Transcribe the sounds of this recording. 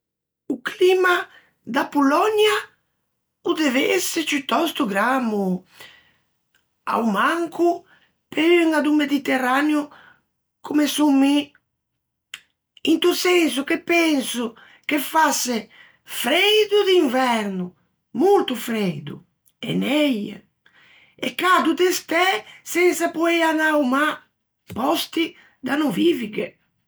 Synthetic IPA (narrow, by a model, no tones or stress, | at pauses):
uklima | d̪apulɔɲja | ud̪eveset͡ʃyt̪ɔst̪uɡɾamu | a̰wmaŋkʰu | peɾyŋad̪umed̪it̪eraneu | kumesumːi | int̪usɛns̬ukepːɛnsʊ | kefase | fɾejd̪ud̪iɱvɛɾnu | mult̪ufɾeɛjd̪ṵ | ɛ̰nɛja̰ | ekːad̪ud̪est̪ɛsɛnsapɔeanawma | pɔst̪i | d̪anuviviɡe